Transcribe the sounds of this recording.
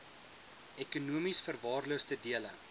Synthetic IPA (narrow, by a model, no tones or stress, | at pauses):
ɛkunuəmisfərvɑːrluəstədiələ